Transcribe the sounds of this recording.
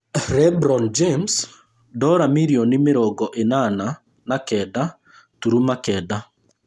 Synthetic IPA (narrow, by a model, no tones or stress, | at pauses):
ɾɛbɾɔnd͡ʒems | dɔɾamiɾiɔnimeɾɔɡɔʔenana | nakɛda | tuɾumakɛːda